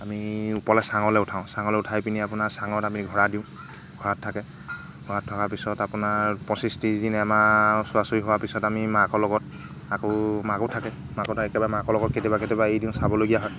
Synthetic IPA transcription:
amiupɔlɛsaŋɔlɛʊtʰaʊ̃saŋɔlɛʊtʰajpiniapʊnaɹsaŋɔtamiiɡʱɔɹadiʊ̃ | ɡʱɔɹatʰːakɛ | ɡʱɔwatʰːɔkapisɔtapʊnapɔsistizinɛamasʊasoɹiɦowapisɔtamimakɔlɔɡɔt̚ | akomakotʰakɛ | makɔtʰaɛkɛbamakɔlɔɡɔt̚ketibaketibaejdiʊ̃sabɔloɡijaɦɔj

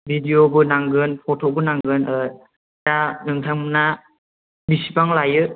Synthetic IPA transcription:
bʱidijobɯnaŋɡɯnpʰɔtʰɔbɯnaŋɡɯnɯ | tanɯŋtʰamna | bisipaŋlajɯ

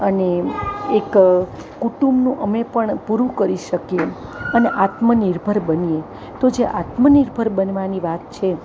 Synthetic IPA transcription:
əneekː | uʈumbnũʔəmepəɳpuɾũkəɾiʃəkieəneʔat̪məniɾbʱəɾbənie | t̪od͡ʒeʔat̪məniɾbʱəɾbənʋaniʋat̪t͡ʃʰe

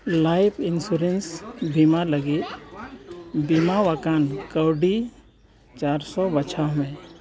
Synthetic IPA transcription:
lajpʰɪnsuɾensbimaləɡit̪ | bimaʋakankəwɖi | t͡ʃaːɾsɔbət͡ʃʰaɦmẽ

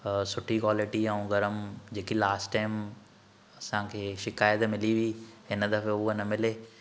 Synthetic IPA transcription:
sʊʈʰikwaːlɪʈiɐ̃ũɡɐɾəmd͡ʑeːkilaːsʈʈaːɪm | ɐsãkʰeːʃɪkaːjət̪mɪliʋiɪnəd̪ɐfeʊənɐmɪleː

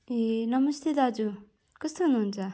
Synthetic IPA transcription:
enʌmʌst̪ʰed̪ad͡zu | kʌst̪oɦunuɦunt͡sʰʌ

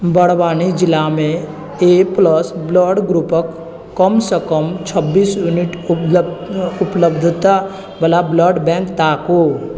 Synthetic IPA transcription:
bəɽ̤baːnid͡ʒɪlamẽ | epləsbləɖɡɾupəkː | əmsəkəmt͡ʃʰəbːiːsjuniʈ | ʊpləbd̪ʱt̪a | bəlabləɖbɛ̃ːŋkt̪aːko

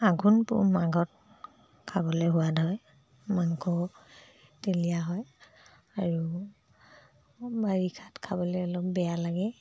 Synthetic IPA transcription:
aɡunpʊ̰maɡɔt̚ | kʰabɔlɔɦuwadʱɔj | maŋkʰɔ | telijaɦɔj | aɹu | baɹikʰatkʰabɔlɛɔlɔpbɛjalaɡɛ

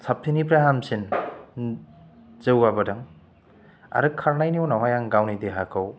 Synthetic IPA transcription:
sʰap̚tʰinipɾaɦamsin | zɯwabɐdaŋ | a̰ɾɯkʰaɾnajniwnawajaŋɡawnid̪eɦakʰɔw

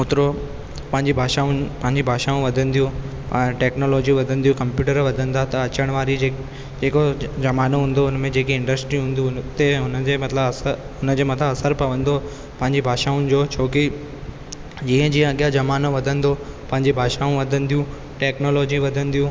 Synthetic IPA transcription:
ʊt̪ɪɾo | pɐ̃ɦɪɲd͡ʑibʱaːʃaːʊnpɐ̃ɦɪ̃ɲd͡ʑibʱaːʃaːũʋɐd̪ʱə̃nd̪ijũ | ʈɛːknoːloːd͡ʑiʋɐd̪ʱə̃n̆d̪ijũkɐ̃mpjuːʈəɾʋɐd̪ʱə̃nd̪at̪ɐɐt͡ɕəɽ̃ʋaːɾie | d͡ʑeːkod͡ʑɐmaːnoɦũːnd̪oʊnəmẽd͡ʑeːkiɪ̃ɳɖəsʈɾiɦũːnd̪it̪eɦʊnə̆d͡ʑeːmɐt̪ləbsə | ɦʊnə̆d͡ʑeːmɐt̪ləbɐsəɾpɐʋə̃nd̪o | pɐ̃ɦɪ̃ɲd͡ʑibʱaːʃaːʊnɪ̆d͡ʑoːt͡ɕʰoːki | d͡ʑiːə̃d͡ʑiːə̃ɐɠjad͡ʑɐmaːnoʋɐd̪ʱə̃nd̪opɐ̃ɦɪ̃ɲd͡ʑibʱaːʃaːũʋɐd̪ʱə̃n̆d̪ijũ | ʈɛːknoːloːd͡ʑiʋɐd̪ʱə̃nɪ̆d̪ijũ

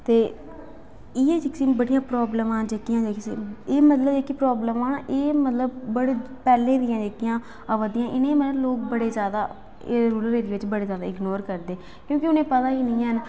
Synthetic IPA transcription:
t̪eː | ieːd͡ʒɪksĩːbəɽijãːpɾɔːbləmãːd͡ʒeːkijãːd͡ʒeksieːmət̪ləbd͡ʒeːkipɾɔːbləmãːʔeːmət̪ləbːəɽeː | pɛːlẽːd̪ɪjãːd͡ʒeːkɪjãː | əʋəd̪ɪjãːʔɪnẽːmət̪ləbloːk̚bəɽeːzjaːd̪a̰ː | ɾuːləɾeːɾiːʋɪt͡ʃbəɽeːzjaːd̪aːɪɡnoːɾkəɾd̪eː | kjõːkɪʊnẽːpət̪aːiːnĩːən

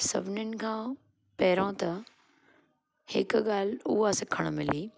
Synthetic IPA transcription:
sɐ̰bʱɪnənɪ̆kʰãː | pɐɦɾõt̪ɐ | hɪkɠaːl̤ʊ̰ɦasɐkʰəɽ̃mɪliː

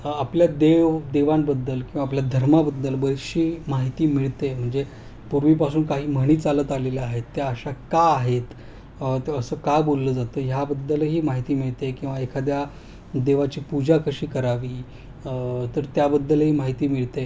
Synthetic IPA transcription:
apljad̪eʋd̪eʋambəd̪ːəlkĩw̃ʋaːp̬ljad̪ʱəɾmabəd̪ːəlbəjɕiːmaɦit̪iːmiɭt̪em̤əɳd͡ze | puɾʋiːpasuːnkaɦiːm̤əɽ̃iːt͡salət̪aleljaaɦet̪ːeəɕakaːɦet̪ | t̪əsəːkajbolːəːd͡zat̪əːjabəd̪ːəlɦiːmaɦit̪iːmiɭt̪ekĩw̃ʋaekʰad̪ja | d̪eʋat͡ɕiːpud͡ʑakəɕiːkəɾaʋiː | t̪əɾt̪jabəd̪ːəlɦiːmaɦit̪iːmiɭt̪e

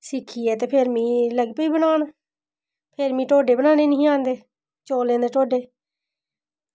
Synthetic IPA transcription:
sɪkʰiːɛːt̪eːpʰeɾmĩːləɡpəiːbənaːn | pʰeɾmĩːʈoːɖeːbənaːneːnəĩːãːnd̪eː | t͡ʃoːlẽːnd̪eːʈoːɖeː

